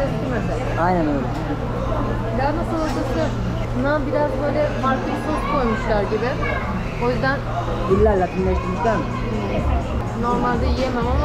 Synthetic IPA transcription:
ɛst̪ʰiɾmed̪ɪ | ajnænojlʲit͡ʃʰii | lʲæɾnasɯlˠoɾd͡ʒ̪aksɯ | bunabiɾazbø̞jlʲɛfaɾklˠɯk̪ʰot̪kʰo̞jmuʃlˠaɾɟibɪ | o̞jyzd̪æn | b̪ilʲːæɾlʲat̪ʰɯnlˠaʃt̪ʰɯiʃlʲæɾmɪ | no̞ɾmalʲd̪ajijemamama

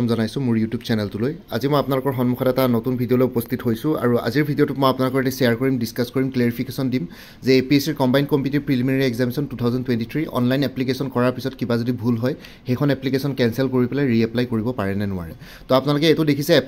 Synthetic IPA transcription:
ɔmzɔnajsʊ̃mʊɹjutjubsɛnɛltuloja̰zimɔjapnalʊkɔɹxɔnmukʰxɔtɛtanotunbʱidiɔlojupɔst̪ʰitɦojsʊ̃a̰ɹua̰ziɹbʱidijɔtʊtmɔjapnalʊkɔɹɛtɛsɛaɹkoɹimdiskaskoɹimkleɹipʰikesɔndim | zɛepiesiɹkɔmbajnkɔmpjutiɹpɹiliminaɹiɛɡzamisɔntutʰawzɔntwɛntitʰɹiʔɔ̰nlajnɛplikesɔnkɔɹaɹpisɔtkibazodibʱulɦɔj | xejkʰɔnɛplikesɔnkɛnsɛlkoɹipɛlajɹiɛplajkoɹibɔpaɹɛnɛnʊwa̰ɹɛ | tɔapʊnalʊkɛetʊdekʰisɛ

